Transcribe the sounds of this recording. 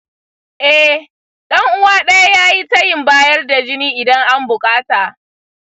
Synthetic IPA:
ʔɛ˦ | ɗɐ˦ŋʔʊ˦waː˦ɗɐ˦ja˦jaː˦ji˦tɐ˦jɪ˨mbaː˦jɐ˦rda˨d͡ʒɪ˦niː˦ʔɪ˨dɐ˦ŋʔa˦mbʊ˨kʼaː˦taː˨ʔ

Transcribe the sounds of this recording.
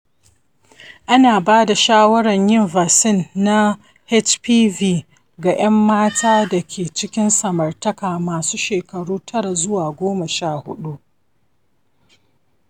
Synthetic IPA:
ʔa˦naː˨baː˦da˨ʃaː˦wɐ˦ɽɐ˨ɲjɪ˦nva˨sɪ˦˨nːa˦ | hɛ˦t͡ʃpiː˦viː˦ | ɡa˨j̰ʔɐ˦mːaː˦tʰaː˦dɐ˨kʲʰeː˨t͡ʃɪ˦kʲɪ˦nsɐ˨mɐ˨rtɐ˦kaː˨maː˨suː˦ʃeː˨kɐ˨ɽuː˦tʰɐ˦ɽa˨zʊ˦waː˨ɡʷoː˦mɐ˨ʃaː˦˨hʊ̰˦ɗu˦ʔ

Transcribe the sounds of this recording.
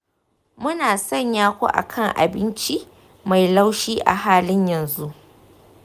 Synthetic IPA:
mʊ˦naː˨sɔ˦˨ɲjaː˦kʷo̰˦ʔa̰˨kʰɐ˦˨ŋʔa̰˨bɪ˦nt͡ʃi˦ | ma˨jla˦wʃiː˦ʔa̰˨ɦaː˦lɪ˦ɲjɐ˨nzu˦ʔ

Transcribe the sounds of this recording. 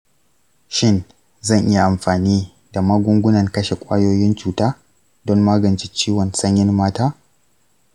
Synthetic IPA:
ʃɪ˦n | zɐ˦˨ɲʔɪ˦ja˨ʔa˨mɸaː˨niː˦ | da˨ma˦ɡʷʊ˦ŋɡʷʊ˦nɐ˨ŋkɐ˦ʃe˨kʷʼa̰ː˦joː˦jɪ˦nt͡ʃuː˨taː˦ | dɔ˦mːaː˦ɡɐ˨nt͡ʃi˦t͡ʃiː˦wɔ˨nsɐ˦ɲjɪ˦nmaː˦taː˦

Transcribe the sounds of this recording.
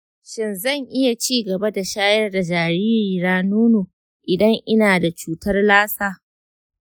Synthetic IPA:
ʃɪ˨nzɐ˦˨ŋʔɪ˦ja˨t͡ʃiː˦˨ɡɐ˨ba˦da˨ʃaː˦jɐ˦rda˨d͡ʒaː˨ɾiː˦ɾiː˨ɾaː˦nuː˦noː˨ | ʔɪ˨dɐ˦ŋʔɪ˦naː˨da˨t͡ʃuː˦tɐ˦rlaː˦saː˦

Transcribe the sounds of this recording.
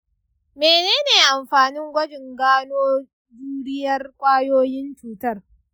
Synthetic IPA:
meː˨neː˦neː˨ʔa˨mɸaː˨nɪ˦ŋɡʷɐ˦d͡ʒɪ˨ŋɡaː˦noː˦ | d͡ʒuː˦ɽɪ˦jɐ˦rkʷʼaː˦joː˦jɪ˦nt͡ʃuː˨tɐ˦r

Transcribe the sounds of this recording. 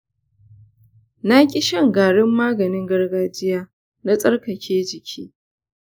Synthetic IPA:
na˦kʲʼɪ˦ʃɐ˦˨ŋɡaː˨ɽɪ˦mːaː˦ɡɐ˨nɪ˦ŋɡɐ˦rɡaː˦d͡ʒɪ˦jaː˦ | na˦sʼɐ˦rkɐ˨kʲʰeː˦d͡ʒɪ˨kʲʰiː˦

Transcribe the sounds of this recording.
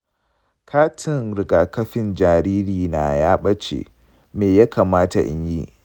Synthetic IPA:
kʰaː˦tʰɪ˨nɾɪ˨ɡaː˨kɐ˦ɸɪ˦nd͡ʒaː˨ɾiː˦ɾiː˨na˨jaː˦ɓɐ˦t͡ʃḛ˨ | meː˨ja˦kaː˨maː˦ta̰˨ʔɪ̰˦ɲjḭ˦

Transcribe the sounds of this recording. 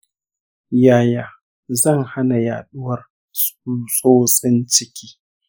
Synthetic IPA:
jaː˦˨jaː˨ | zɐ˦˨ŋha˦na˨ja̰ː˨ɗʊ˦wɐ˨r | suː˦sʼoː˦sʼɪ˦nt͡ʃɪ˦kʲiː˦

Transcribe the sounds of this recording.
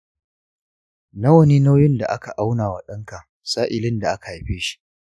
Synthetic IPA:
na˦wɐ˦ni˦na˦wjɪ˦nda̰˨ʔa˦ka˨ʔa˦wnaː˨wa˨ɗɐ˦ŋka˨ | saː˦ʔɪ˨lɪ˦nda˨ʔa˦ka˨a˨ɸeː˦ʃi̥˦ʔ

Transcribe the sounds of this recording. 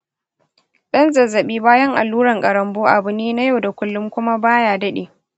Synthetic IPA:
ɗɐ˦nzɐ˨zːɐ˨ɓiː˦baː˦jɐ˦ŋʔa̰˨lːuː˦ɾɐ˨ŋkʼɐ˨ɾɐ˨mboː˦ʔa˨bʊ˨neː˦na˦ja˦wda˨kʷʊ˦lːʊ˦mkʷʊ˦ma˦baː˦jaː˨dɐ˦ɗeː˨

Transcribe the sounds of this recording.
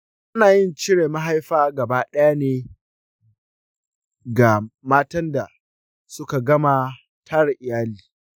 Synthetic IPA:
ʔʊ˦naː˨jɪ˦˨nt͡ʃɪ˦ɽeː˨ma˦ɦa˦jɸaː˦ɡɐ˨baː˦ɗɐ˦ja˦neː˦ | ɡa˨maː˦tɐ˦nda˨ | sʊ˦ka˨ɡɐ˦ma˨ | tʰa˦ɾa˨ʔɪ˨jaː˦liː˨

